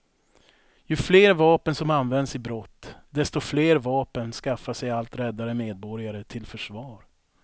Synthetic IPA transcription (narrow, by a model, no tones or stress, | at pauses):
jɵfleːɾvɑːpənsɔmanːvɛnd̪sɪbɾɔt̪ːd̪ɛst̪ɔfleːɾvɑːpənskafːaʂɛjalt̪ɾɛd̪ːaɾəmeːd̪̚bɔɾjaɾət̪ʰɪlfœʂvɑːɾ